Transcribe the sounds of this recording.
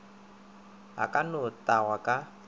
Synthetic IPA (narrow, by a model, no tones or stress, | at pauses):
a̰kʼanʊtʼaɣwakʼa